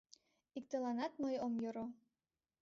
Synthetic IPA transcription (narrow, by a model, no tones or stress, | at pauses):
ik̚t̪əlɑnɑt̪mɤjomjoɾo